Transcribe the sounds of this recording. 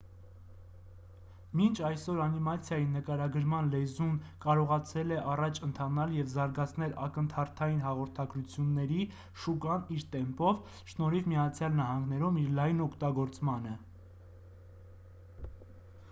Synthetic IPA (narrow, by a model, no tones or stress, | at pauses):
mint͡ʃʰɑjsɔɾɑnimɑt͡sʰjɑjinəkɑɾɑɡəɾmɑnlɛzunkɑɾɔʁɑt͡sʰɛlɛʔɑrɑt͡ʃʰənt̪ʰɑnɑljɛvzɑɾɡɑt͡sʰn̪ɛlɑ̰kənt̪ʰɑɾt̪ʰɑjinɦɑʁɔɾt̪ʰɑɡɾut͡sʰjunːɛɾi | ʃukɑniɾt̪ɛmpɔv | ʃnɔɾivmijɑt͡sʰjɑlnɑɦɑŋɡnɛɾumiɾlɑjnɔkʰt̪ɑɡɔɾt͡smɑnə